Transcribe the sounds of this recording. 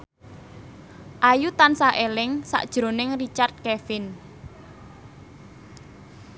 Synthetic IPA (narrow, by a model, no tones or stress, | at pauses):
ʔajut̪ansaʔelɪŋsa̰ʔd̥ʒ̥ɾo̤nɪŋrit͡ʃart̪̚kɛfɪn